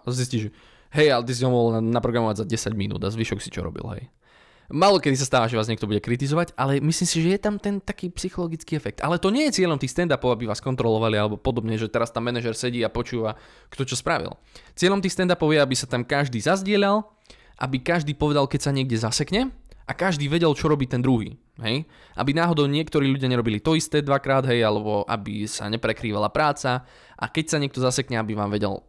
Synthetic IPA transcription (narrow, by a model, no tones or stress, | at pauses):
zis̬ciːʒɛ | ɦɛjat̪is̬iɦɔmɔɦɔlnapɾɔɡɾamɔʋaɟzaɟɛsaɟminṵːd̪azʋiʃɔksi̥t͡ʃɔ̰ɾɔ̰bḭlɦɛ̰j | maːlɔkɛd̪is̬ast̪aːʋaʒɛʋaːzɲɛkt̪ɔbuɟɛkɾit̪izɔʋaɟʔalɛmisliːmsiʒɛjɛt̪amt̪ɛnt̪akiːpsixɔlɔɡit͡skiːɛfɛk̚t̪alɛt̪ɔɲɪɛjɛt͡sɪɛʎɔmt̪iːxst̪ɛnd̪apɔʊabiʋaːskɔnt̪ɾɔlɔʋalialɛbɔpɔd̪ɔbɲɛɦɛʒɛt̪ɛɾast̪amːɛnɛʒɛɾsɛɟiːapɔt͡ʃuːʋa | kt̪ɔt͡ʃɔspɾaʋḭlˠ | t͡sɪɛʎɔmt̪iːxst̪ɛnd̪apɔʊjɛabisat̪amkaʒd̪iːzazɟɪɛʎal | ʔa̰bikaʒd̪iːpɔʋɛd̪alkɛcsaɲɪɛɡ̚ɟɛzasɛkɲɛʔakaʒd̪iːʋɛɟɛlt͡ʃɔɾɔbiːt̪ɛnd̪ɾuɦḭː | ɦɛj | ʔa̰binaːɦɔd̪ɔʊɲɪɛkt̪ɔɾiːʎuɟɪjaɲɛɾɔbilit̪ɔist̪ɛːd̪ʋakɾaːd̪ɦɛjalɛbɔʔa̰bisa̰ɲɛpɾɛkɾiːʋalapɾaːt͡sa | ʔa̰kɛcsaɲɪɛk̚t̪ɔzasɛkɲɛabiʋaːmʋɛɟɛ̰l